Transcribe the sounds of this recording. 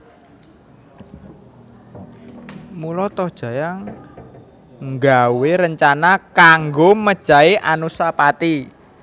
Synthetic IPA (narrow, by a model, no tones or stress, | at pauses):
mulɔt̪ɔd̥ʒ̥ä̤jaŋ | ŋɡaweɾəɲt͡ʃanakaŋɡoməd̥ʒ̥a̤iʔanusapat̪i